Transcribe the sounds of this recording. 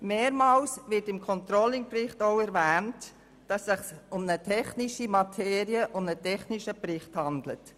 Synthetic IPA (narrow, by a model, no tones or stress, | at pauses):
meːɾmɑːlsvɪtɪmkʰɔnt̪ɾolɪŋprɪχtoʊɛɾvæːnt | d̥ɑsːɪχsʊmnətʰɛχniʃimɑtʰeːɾiəʔʊnnətʰɛχniʃəprɪχthɑndlə̰t